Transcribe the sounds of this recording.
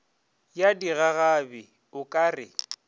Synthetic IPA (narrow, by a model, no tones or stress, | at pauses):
jadiɣaɣabɪ | ʊkʼaːrɪ